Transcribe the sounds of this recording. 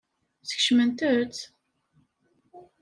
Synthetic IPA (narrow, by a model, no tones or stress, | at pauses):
θə̥çʃmənt̪əɾt͡s